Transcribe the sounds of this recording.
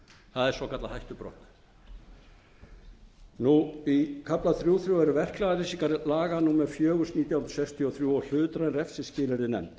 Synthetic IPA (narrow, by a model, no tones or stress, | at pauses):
θaðɛɾsɔkʰat̪lahajht̪ʏpɾɔ̰wht̪ | nuikʰaplaθɾjuːθɾjuɛɾʏvɛr̥klaðaɾisikaɾlaːɣanumɛðfjœːɣʏsniːt̪jawhnɾ̥sɛkst̪ʰiɔθɾjuːɔl̥ʏːt̪ɾanɾɛfsɪscɪːlɪɾɪnɛ̰mt̪